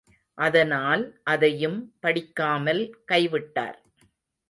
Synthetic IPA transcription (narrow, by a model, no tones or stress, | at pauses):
ʔɐðɐnaːlʔɐðɐjɯmpɐɽɪkːaːmɐlkɐɪʋɪʈːa̰ːɾ